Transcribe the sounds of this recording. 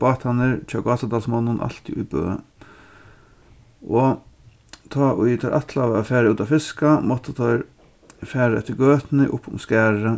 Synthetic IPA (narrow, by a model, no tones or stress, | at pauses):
b̥ɑːt̪hanːɪɹt͡ʃʰɑːɡɑːt̪ad̪ɑːlsmɔnːʊnʔa̰lt̪ɪʊ̰jbø̰ː | ʔɔ | t̪ʰɑːʔʊjt̪ʰɔɾʔat̪laʋafæːɾaʉːt̪afɪskamɔt̪ːət̪ʰɔʏɾ | fæːɾaɛt̪ːəɡøːt̪nɪ̰ʔʊpːʊ̰mskæːɹə